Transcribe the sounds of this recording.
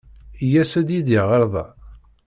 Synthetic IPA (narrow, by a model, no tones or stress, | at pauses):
jæsæd̪jid̪iʁəɾˤðˤɑ̰